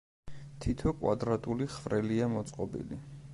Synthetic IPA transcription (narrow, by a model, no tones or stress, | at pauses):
t̪ʰit̪ʰɔkʼwa̰d̪ɾat̪ʼuliχvɾɛliamɔt̪sʼqʼɔbḭli